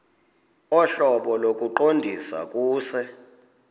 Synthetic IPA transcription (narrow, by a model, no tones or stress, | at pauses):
ɔɬɔɓɔlokʼuǃondʱisa̰kʼuːsɛ